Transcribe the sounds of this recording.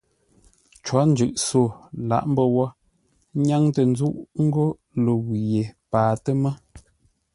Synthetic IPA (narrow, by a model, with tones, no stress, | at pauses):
t͡ʃwɔ˨˦n˦d͡ʒʉ˨ʔso˦˨la̰˨ʔm̩˦bə˦wɔ˦ | ɲa˦ŋtə˨n˦zu˦ʔŋ̩˦ɡo˦ | lo˨wje˨paː˨tə˦mə˦